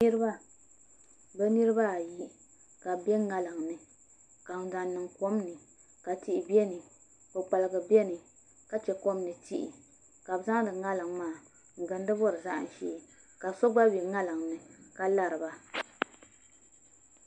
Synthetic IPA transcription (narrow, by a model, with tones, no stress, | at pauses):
nɨ˦ɾɨ˦ba˦ | bɛ˦nɨ˦ɾɨ˦ba˦˨ji˦ | ka˨bɛ˦ŋa˦lɨ˨ŋnɨ˨ | ka˨n˨da˨n˨nːɨ˨ŋko˦mnɨ˨ | ka˨ti˨ʔɪ˨bɛ˦nɨ˨ | kɨ˨k͡pa˨lɨ˨ɡɨ˨bɛ˦nɨ˨ | ka˦t͡ʃɛ˨ko˦mnɨ˨ti˦ʔi˨ | ka˨bza˦ŋ˦dɨ˨ŋa˦lɨ˨ŋmaː˦˨ | ŋ̩˨ɡɨ˨n˦dɨ˦bɔ˦ɾɨ˨za˦ʔn˨ʃḭː˦˨ | ka˨sɔ˦ɡ͡ba˦bɛ˨ŋa˦lɨ˨ŋnɨ˨ka˦la˨ɾɨ˨ba˦